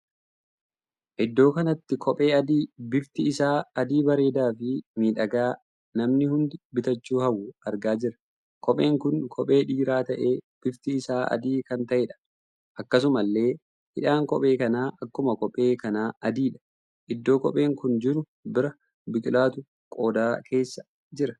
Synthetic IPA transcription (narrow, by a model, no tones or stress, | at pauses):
ʔɪd̪ːo̞ːkɐnɐt̪ːɪkʰɔpʼe̞ːɐd̪iːbɪft̪ɪɪsaːɐd̪iːbɐɾe̞ːd̪aːfɪmiːᶑɐɡaː | nɐmnɪhʊnd̪ɪbɪt̪ɐt͡ʃːuːhɐwʊɐɾɡaːd͡ʒɪɾɐ̥ | kʰɔpʼe̞ːŋkʊnkʰɔpʼe̞ːᶑiːɾaːt̪ɐʔe̞ːb̥ɪft̪ɪːsaːɐ̰d̪iːkɐnt̪ɐʔeːᶑɐ̥ | ʔɐkːɐs̬ʊmɐlːe̞ː | hɪᶑaːŋkɔpʼe̞ːkɐnaːʔɐkːʊmɐkɔpʼːe̞ːkɐnaːʔɐd̪iːᶑɐ̥ | ʔɪd̪ːo̞ːkɔ̰pʼe̞ːŋkʊnd͡ʒɪɾʊ | bɪɾɐ | bɪkʼɪlaːt̪ʊ | kʼo̞ːd̪aːkʰe̞ːsːɐ̥ | d͡ʒɪɾɐ̥